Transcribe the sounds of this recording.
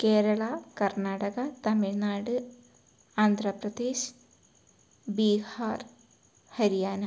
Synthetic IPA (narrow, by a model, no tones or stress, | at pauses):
keːɾɐɭɐkɐrnaːɽɐɣɐt̪ɐmiɻnaːɽɨ | aːnd̪ʱrɐprɐd̪eːɕ | biːhaːr | hɐɾijaːnɐ